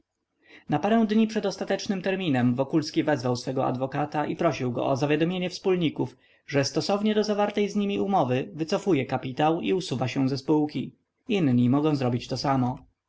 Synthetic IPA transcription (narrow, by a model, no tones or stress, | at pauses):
napaɾɛw̃d̪ɲipʂɛd̪ɔst̪at̪ɛt͡ʂnɘmt̪ɛɾmʲinɛmvɔkulskʲivɛzvawsfɛɡɔa̰d̪vɔkat̪aʔipɾɔɕiwɡɔ̰ʔɔzavʲjad̪ɔmʲjeɲɛfspulɲikuf | ʐɛst̪ɔsɔvɲɛd̪ɔzavaɾt̪ɛjzɲimʲiumɔvɘvɘt̪sɔfujɛkapʲit̪awiusuvaɕɛw̃zɛspuwkʲi | inɲimɔɡɔ̃w̃zɾɔbʲit͡ɕt̪ɔsamɔ